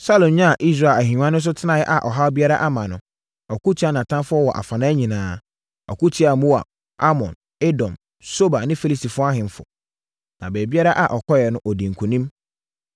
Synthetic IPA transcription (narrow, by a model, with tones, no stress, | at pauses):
sa˦lõ˨ɲã˦a˨ʔi˦s̬ɾa˨la˨ɦĩ˨˦ã˦nʊ̃˦s̬ʊ˦tʰɪ˦nã˨jɛ˦ʔa˨ʔɔ˨ɦa˦ɔ˦bi˦a˦ɾa˦ʔa˦mã˨nʊ̃˨ | ɔ˨ku˦tʰi˦a˦nã˨tʰã˦nfʊ˦ɔ˦wɔ˨ʔa̰˨fã˨nã˦ɲĩ˨nãː˨˦ | ɔ̰˨ku˦tʰi˦a˨mu˦a̰˨ | a˦mɔ̃˨n | e˦dɔ̃˨m | so˦ba˨nɪ̃˦fe˦li˦˨si˨fʊ˦a˦ɦɪ̃˨n˦fʊ̰˨ | nã˨bɛː˨bi˦a˦ɾa˦ʔa˨ʔɔ˨kʰɔ˦jɛ˨nʊ̃˦ʔɔ˨dĩ˨ŋ̩˨kʰũ˨nĩ˦m